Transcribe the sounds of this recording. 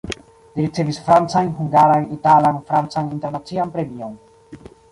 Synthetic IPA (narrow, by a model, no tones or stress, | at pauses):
liɾit͡se̞visfɾant͡sajnɦuŋɡaɾajnitalanfɾant͡sajninte̞ɾnat͡sianpɾe̞mio̞n